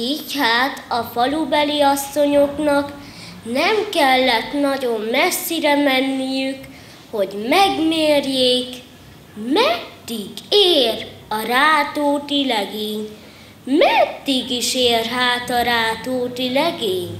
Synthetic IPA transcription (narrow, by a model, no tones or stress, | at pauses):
ichaːt̪ɒfɒlubɛliɒsːo̞ɲo̞knɒk | nɛmkɛlːɛt̪nɒɟo̞mːɛsːiɾɛmɛnːijyk | ho̞ɟmɛɡmeːrjeːk | mɛd̪ːiɡeːrɒɾaːt̪oːt̪ilɛɡeːɲ | mɛd̪ːiɡiʃeːrɦaːt̪ɒɾaːt̪oːt̪ilɛɡeːɲ